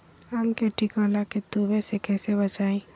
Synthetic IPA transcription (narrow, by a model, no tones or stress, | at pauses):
əmkeʈikalaket̪ubẽsekɛːsebət͡ʃaːẽː